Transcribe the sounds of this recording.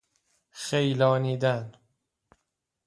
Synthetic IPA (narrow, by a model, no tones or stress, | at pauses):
xejlɒːniːd̪æn